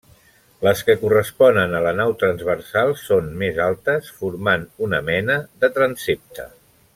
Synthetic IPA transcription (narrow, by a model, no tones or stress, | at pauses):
ləskəkurəspɔnənələnawt̪ɾənzβərsalˠsonmezalˠt̪əsfuɾmanunəmɛnəðət̪ɾənsep̚t̪ə̰